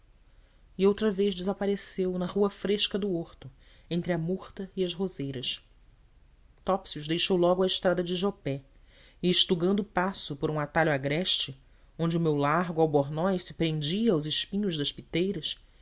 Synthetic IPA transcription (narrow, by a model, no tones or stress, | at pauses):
iowt̪ɾɐveʒd͡ʒɪzapaɾesewnɐʁuɐfɾeʃkɐd̪ʊoɾt̪ʊ | ẽnt̪ɾɪɐmuχt̪ɐiɐʃɦozejɾɐs | t̪ɔpsiuʒd̪ejʃowlɔɡʊɐɪʃt̪ɾad̪ɐd͡ʒɪʒopɛ | ɪːʃt̪uɡɐ̃nd̪ʊpasʊpoɾũat̪aʎuaɡɾɛʃt͡ʃɪ | õnd͡ʒɪʊmewlaɦɡʊawboɾnɔjsɪ̥pɾẽnd͡ʒiɐːwzɪʃpĩɲʊʒd̪ɐʃpit̪ejɾɐs